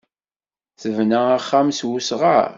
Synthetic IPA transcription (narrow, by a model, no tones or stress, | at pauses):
θəvnææχːamswusʁa̰ɾ